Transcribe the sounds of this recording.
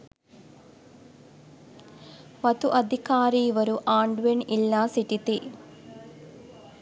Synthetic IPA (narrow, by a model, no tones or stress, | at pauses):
ʋɐt̪uʔɐd̪ʱikaːɾiːʋɐɾuʔaːɳɖuʋenilːaːsiʈit̪i